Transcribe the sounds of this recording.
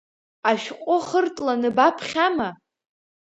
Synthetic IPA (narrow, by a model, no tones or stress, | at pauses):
aʃᶣqʷʼʊχərtʼlanɨbapʰχʲama